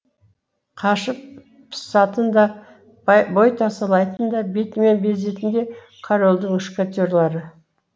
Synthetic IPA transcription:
qʰɑʃəp̚ː | sɑt̪ənd̪ɑ | bo̞jt̪ʰɑsɑlˠɑjt̪ənd̪ɑbet̪menbe̞ze̞t̪ɪnd̪e̞ | qʰaɾo̞lˠd̪əɴʏʃkʲat̪ʲoɾlˠɑɾə

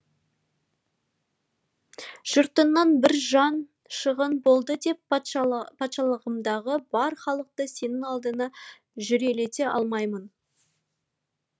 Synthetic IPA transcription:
ʒ̥ʊɾt̪ənːɑnbɪɾʒɑn | ʃəʁənbo̞lˠd̪əd̪e̞p̚ | pʰɑt̪ʃɑlˠəʁəmd̪ɑʁəbɑɾχɑlˠəq̚t̪əse̞nɪŋɑlˠd̪ənɑ | ʒʏɾe̞le̞t̪e̞ʔɑ̰lˠmɑjmən

